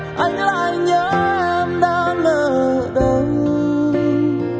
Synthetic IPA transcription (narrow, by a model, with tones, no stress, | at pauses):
ʔa˧jŋlaː˧˨jɲəː˨˦ɛ˧mɗa˧˦ləː˧˩ɗə˨˧˦